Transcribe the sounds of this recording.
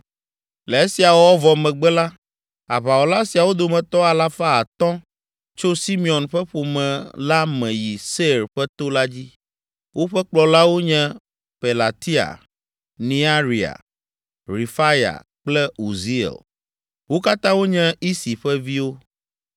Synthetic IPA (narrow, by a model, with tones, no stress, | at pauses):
lɛ˨e˦si˨a˨wɔ˦wɔ˦vɔ˨mɛ̃˨ɡ͡bɛ˦la˦ | a˨βa˨wɔ˨la˦si˨a˨wo˦d̪o˨mɛ̃˨t̪ɔ˦a˨la˦fa˦a˨t̪ɔ̃˦ | t͡ʃo˦si˦mĩ˨ɔ̃˨nɸɛ˦ɸo˨mɛ̃˨la˦mɛ̃˨ji˨se˦ɾɸɛ˦t̪o˦la˦d͡ʑi˦ | wo˦ɸɛ˦k͡plɔ˨la˦wo˦ɲɛ̃˦ | pe˨la˨t̪i˦a̰˨ | nĩ˦a˦ɾi˨a̰˨ | ɾi˨fa˦ja̰˨ | k͡plɛ˦u˨zi˦ɛ̰˨l | wo˦ka˦t̪ã˦wo˦ɲɛ̃˦i˦si˨ɸɛ˦vi˦wo˦